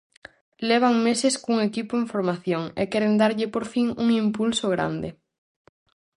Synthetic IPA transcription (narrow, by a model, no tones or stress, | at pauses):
lɛβ̞aŋmesɪskuŋekipoeɱfoɾmaθjoŋḛkɛɾend̪aɾʎɪpoɾfiŋuŋimpulsoɣ̞ɾa̰nd̪ɪ